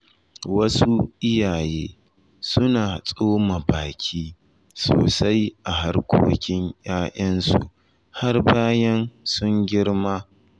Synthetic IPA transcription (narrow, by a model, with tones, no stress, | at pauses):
wɐ˦su˦ʔɪ˦jaː˨jeː˦ | sʊ˦naː˨sʼoː˦ma˨baː˨kʲʰiː˦ | so̰ː˨sa˦jʔa˨ɦa˦rkʷo̰ː˦kʲɪ˦ɲjaː˦ʔɐ˦nsṵ˨ʔ | ha˦rbaː˦jɐ˦nsʊ˦ŋɡʲɪ˦ɽmaː˦